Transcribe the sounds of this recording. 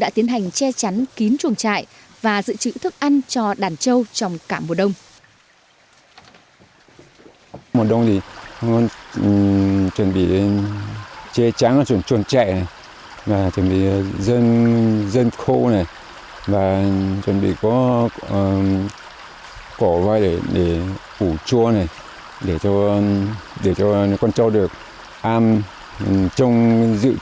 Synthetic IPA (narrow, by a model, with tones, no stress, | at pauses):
ɗa̰ː˧˥t̪i˨˦ənɦa˨˩jŋ̟t͡ɕɛ˧t͡ɕa˨˦nki˨˦ənt͡ɕu˨˩ənt͡ɕa̰ː˧˨j | vaː˨˩zɨ̰˧˨t͡ɕɨ̰˧˥t̪ʰɨ˦˥k̚ʔa˧nt͡ɕɔ˧ɗaː˧˩nt͡ɕə˧wt͡ɕɔ˧wŋ͡mkaː˧˩mo˨˩ɗə˧wŋ͡m | mo˨˩t̚ɗə˧wŋ͡mzi˨˩ɔ˧n | t͡ɕwə˨˧˩nɓḭ˧˨ | t͡ɕɛ˧t͡ɕa˨˦n˧t͡ɕwə˧˩nt͡ɕu˧˩nt͡ɕa̰˧˨ja˨˩ | vaː˨˩t͡ɕwə˧˩nɓḭ˧˨zə˧nzə˧nxo˧na˨˩j | vaː˨˩t͡ɕwə˧˩nɓḭ˧˨kɔ˨˦˨ | kɔ˧˩vaː˧jɗe˧˩ɗe˧˩ʔu˧˩t͡ɕu˧əna˨˩j | ɗe˧˩t͡ɕɔ˧ | ɗe˧˩t͡ɕɔ˧kɔ˧nt͡ɕɔ˧wɗɨ˨˩ək̚ | ʔaː˧m | t͡ɕə˧wŋ͡mzɨ̰˧˨